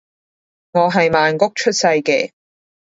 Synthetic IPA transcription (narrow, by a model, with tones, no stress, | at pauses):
ŋɔː˨˧ɦɐ˨jmaː˨nkʊ˥k̚t͡ʃʰɵ˥t̚sɐ˧jkɛː˧